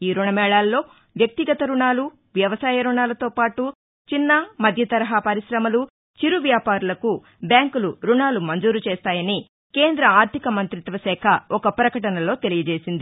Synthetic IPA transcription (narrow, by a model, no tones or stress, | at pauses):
iːɾuɳɐmɛːɭaːlːo̞ː | ʋjɐk̚t̪iɡɐt̪ɐɾuɳaːlu | ʋjɐʋɐsaːjɐɾuɳaːlɐt̪o̞ːpaːʈu | t͡ʃinːɐmɐd̪ʱjɐt̪ɐɾɐɦapɐɾiʃɾɐmɐlu | t͡ʃiɾuʋjaːpaːɾulɐku | bjaːŋkuluɾuɳaːlumɐɲd͡ʒuːɾut͡ʃeːst̪aːjɐni | ke̞ːnd̪ɾɐaːɾt̪ʰikɐmɐnt̪ɾit̪ʋɐsɛːkʰɐɔkɐpɾɐkɐʈɐnɐlo̞ːt̪elijɐd͡ʒeːsind̪i